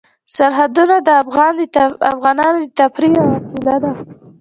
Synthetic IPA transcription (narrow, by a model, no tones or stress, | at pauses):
saɾɦad̪unad̪əɣɑndafɣɑnɑnod̪ət̪apɾijahasɪlad̪a